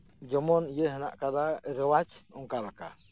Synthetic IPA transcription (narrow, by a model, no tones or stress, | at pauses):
d͡ʒɔmɔnijəɦəna̰ʔkad̪aɾəwad͡ʒɔŋkalaka̰